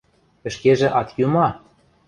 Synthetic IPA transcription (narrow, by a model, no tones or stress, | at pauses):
ɘ̆ʃkeʒĕʔɑt̪jumɑ